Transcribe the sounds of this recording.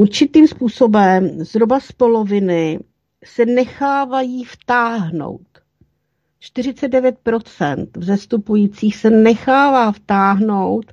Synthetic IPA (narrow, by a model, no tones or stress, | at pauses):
uɾt͡ʃɪt̪iːmspuːso̞bɛmz̥ɦɾobaspolo̞vɪnɪ | sɛnɛxaːvajiːft̪aːɦno̰wt̪ | t͡ʃt̪ɪr̝ɪt͡sɛd̪̚dɛvjɛt̪̚pɾo̞t͡sɛ̰nt̪vzɛst̪upujiːt͡siːxsɛnɛxaːvaːft̪aːɦno̞wt̪